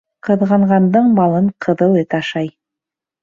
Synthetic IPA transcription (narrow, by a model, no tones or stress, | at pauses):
qʰɤ̆ðʁɑɴʁɑnd̪əɴbɑlˠɤɴqʰɤ̆ðɤlˠet̪ɑʃɑj